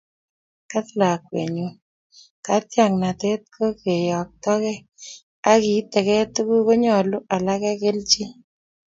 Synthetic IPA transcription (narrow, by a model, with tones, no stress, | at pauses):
ka˦tla˨kwḛ˨ɲo˨ | ka˨˦tja˨ŋna˨te˦t̚kʰo˦ke˨jɔ˨k̚tɔ˦kɛ˦ | a˦ki˨˦tɛ˨kɛ˦tu˦ku˦ko˦ɲɔ˨lu˦ʔa˨la˦kɛ˦ke˦lt͡ʃi˦